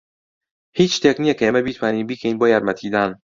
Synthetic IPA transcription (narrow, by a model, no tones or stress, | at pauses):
hiːt͡ʃt̪ʰeɡnijɛkʰeemɛbit̪ʰmæniːnbiːkʰeiːnbɒːjæd̪mæt̪ʰiːd̪æn